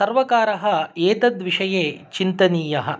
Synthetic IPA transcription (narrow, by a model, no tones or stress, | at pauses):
sɐɾʋɐkaːɾɐɦɐeːt̪ɐd̪ʋiʂɐjeːt͡ʃint̪ɐniːjɐɦɐ̆